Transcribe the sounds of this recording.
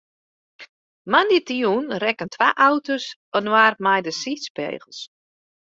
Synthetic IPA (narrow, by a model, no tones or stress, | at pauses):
manditijunrɛkəntʰwaːʔawtosənwaːrmajdəsispḛːɣəlˠs